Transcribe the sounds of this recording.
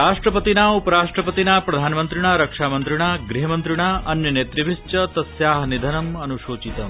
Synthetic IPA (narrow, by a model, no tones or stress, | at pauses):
ɾaːʂʈɾɐpɐt̪inaːupɐɾaːʂʈɾɐpɐt̪inaːpɾɐd̪ʱaːnmɐnt̪ɾiɳ̃aːɾɐkʂaːmɐnt̪ɾiɳaːɡɾiɦɐmɐnt̪ɾiɳ̃aːʔɐnːɐneːt̪ɾiʋist͡ʃɐt̪ɐsjaːɦɐnid̪ʱɐnɐmɐnuʃoːt͡ʃit̪ɐm